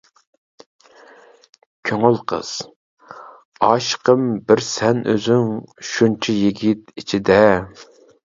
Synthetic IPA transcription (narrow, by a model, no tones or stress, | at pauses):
kʲʰøŋylˠqʰə̰z̥ | ɑʃqəmbɪɾsɛnʔø̰zyŋʃunt͡ʃʰijiɡʲit̪it͡ʃʰid̪ɛ